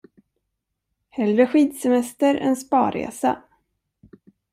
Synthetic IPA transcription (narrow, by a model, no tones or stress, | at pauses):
hɛld̪ɾəɧiːd̪sɛmɛst̪əɾɛ̰nspɑ̰ːɾḛːsa̰